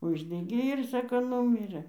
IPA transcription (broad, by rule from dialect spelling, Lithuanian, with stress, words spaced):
ˈʊʒʲdʲɛɡʲeː ɪr ˈsɑːkoː ˈnuːmʲɪrɘ